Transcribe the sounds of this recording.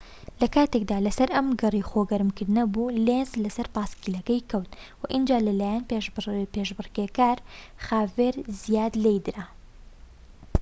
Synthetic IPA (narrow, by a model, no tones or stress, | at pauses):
lɐkaːt̪eːk̚d̪aːlɐsɐɾʔɐmɡɐrˤiːxoːɡɐɾmkɨɾd̪nɐbuːleːnzlɐsɐɾpaːskiːlɐkɐjkɐwt̪wɐʔɨnd͡ʒaːlɐlaːjaːnpeːʃbɨɾkekaːɾ | xaːveːɾzijaːd̪lejd̪ɾa